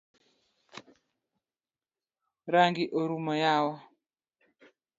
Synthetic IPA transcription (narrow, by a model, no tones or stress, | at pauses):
ɾaŋɡiʔoɾumɔjawɔ